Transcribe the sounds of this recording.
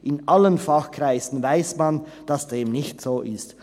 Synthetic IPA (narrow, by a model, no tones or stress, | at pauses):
ʔɪnʔalənfaxkr̥aɪzn̩vaɪsman | d̥asd̥eːmnɪçtz̥oːʔɪst